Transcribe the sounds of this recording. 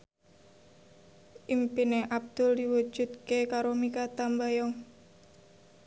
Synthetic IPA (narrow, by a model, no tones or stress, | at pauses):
ʔimpineʔab̚d̪̥ʊldiwu̥d͡ʒ̥ṳd̪̚kekaɾomikat̪ambajɔŋ